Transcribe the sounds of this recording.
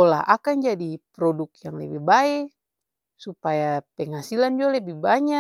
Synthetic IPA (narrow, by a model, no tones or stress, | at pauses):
ola̰ɦa̰kand͡ʒadipɾɔdʊkjaŋlɛbihbaɛ | supajapɛŋɦasiland͡ʒualɛbihbaɲa